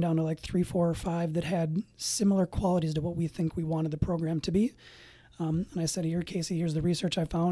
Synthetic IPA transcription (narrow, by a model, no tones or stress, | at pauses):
dãʊ̃ntəlaɪk̚θɹifɔɹə˞faɪvðɨt̚hɨdsɪ̃ml̩ˠə˞kʰw̥ɑlˠəɾiz̥təwʌt̚wiθɪ̃ŋkʰwiwɑ̃ɾ̃ɨd̪̚ðəpʰɹ̥oʊɡɹæ̃mtʰɨbi | ə̃naɪsɛɾhə˞kʰeɪsihɪɹzðɨɹisɜ˞t͡ʃaɪ̥fãʊ̃